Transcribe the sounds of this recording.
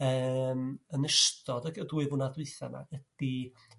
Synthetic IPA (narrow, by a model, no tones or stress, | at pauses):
əːmənəʃtɔdəɡəduɨvʊnadwɨθana̰ɡ̥əd̥i